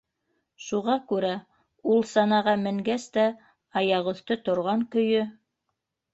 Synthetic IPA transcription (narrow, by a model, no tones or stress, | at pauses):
ʃuʁɑkʉɾæ | ulˠsɑnɑʁɑmɘ̆ŋɡæst̪æ | ɑjɑʁŏθt̪ot̪ŏɾʁɑŋkɵ̆jɵ